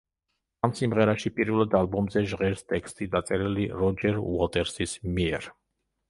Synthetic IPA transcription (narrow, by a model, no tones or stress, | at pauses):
amsimʁɛɾaʃipʼiɾvɛlˠad̪alˠbɔmzɛʒʁɛɾst̪ʼɛkst̪ʼid̪at̪sʼɛɾiliɾɔd͡ʒɛɾṵɔlt̪ʼɛɾsismiɛɾ